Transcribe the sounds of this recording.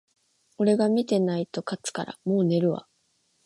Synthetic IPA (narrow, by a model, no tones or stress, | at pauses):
o̞ɾe̞ɡamʲit̪e̞nait̪o̞kat͡sɨ̥ka̰ɾa̰mo̞ːne̞ɾɯ̟βa̰